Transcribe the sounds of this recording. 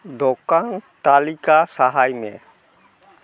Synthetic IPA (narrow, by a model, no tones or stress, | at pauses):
d̪ɔkant̪alikasaɦajmḛ̃